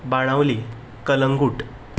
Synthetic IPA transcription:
baɽ̃ãʋli | kələŋɡuːʈ

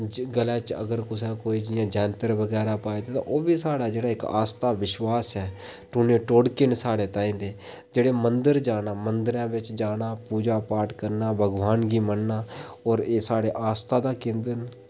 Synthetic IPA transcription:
ɡəlɛ̃ːt͡ʃə̰ɡəɾkʊs̬ɛːkoːiːd͡ʒɪjãːd͡ʒɛ̃ːnt̪əɾbəɡɛːɾaːpaːed̪eːt̪ã̰ːʔoːbiːsaːɽaːd͡ʒeːɽaːɪka̰ːst̪aːʋɪʃwaːsɛːʈʊːneːʈoːɽkɪnsaːɽeːt̪ãːĩːd̪eː | d͡ʒeːɽeːmənd̪əɾd͡ʒaːnaːmənd̪əɾãːbɪt͡ʃd͡ʒaːnaːpuːd͡ʒaːpaːʈkəɾnaːbəɡʋaːnɡiːmənːaːɔːɾeːsaːɽeːʔaːst̪aːd̪aːkɪ̃nd̪ən

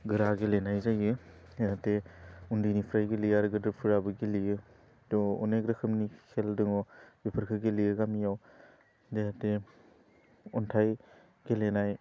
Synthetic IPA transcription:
ɡɯɾaɡelenajzajɯdehateundinipʰɾajɡelijaɾɡɯdɯɾpʰɯɾabɯɡelijɯ | dɔɔnekɾɐkʰɯmnikʰeldɯŋɔbipʰɯɾkʰɯɡelijɯɡamijaw | dehate | ɔntʰaj | ɡ̥elenaj

